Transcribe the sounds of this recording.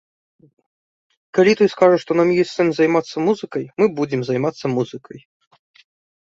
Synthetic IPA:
kalʲit̪ɔjskaʐɐʂt̪ɔnamjɔsʲt̪sɛmʲzajmat̪sːɐmuzɨkɐjmɨbud͡zʲɛmzajmat̪sːɐmuzɨkʰɐj

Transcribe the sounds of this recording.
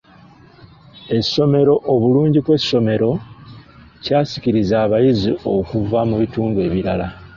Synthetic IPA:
e̞so̞me̞ɾo̞ʔoβuluːɲɟikwe̞sːo̞me̞ɾo̞ | caːsi̥ciɾizaːβajizio̞kuvamuβituːndue̞ːβiɾala

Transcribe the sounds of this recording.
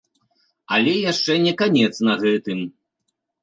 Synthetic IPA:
ɐ̰lʲɛjaʂt͡ʂɛnʲɛkanʲɛt̪snɐɣɛt̪ɨm

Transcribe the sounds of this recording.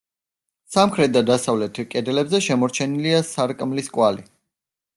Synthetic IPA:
samkʰɾɛt̪̚d̪ad̪asavlɛt̪ʰkʼɛd̪ɛlɛbzɛʃɛmɔɾt͡ʃʰɛniliasaɾkʼmliskʼwali

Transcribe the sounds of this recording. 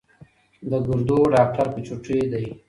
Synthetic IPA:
d̪əɡʊɾd̪oɖɑːk̚ʈaɾpət͡ʃuʈed̪aj

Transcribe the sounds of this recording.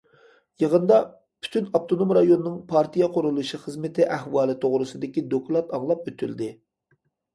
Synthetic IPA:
jəʁənd̪ɑ | pʰy̥t̪ʰynɑp̚t̪ʰonomɾɑjonːɨŋpʰɑɾt̪ʰijɑqʰʊɾulˠuʃiχɨzmɪt̪ʰɪʔɛhwɑːlˠɨt̪ʰoʁɾɨsɨd̪ɪkʲid̪oklˠɑt̪ɑŋlˠɑp̚øt̪ʰyld̪ɪ

